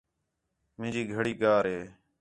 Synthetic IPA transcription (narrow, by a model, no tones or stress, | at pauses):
mɪ̃ːd͡ʒiːɡʱəɽiːɠaːɾɦeː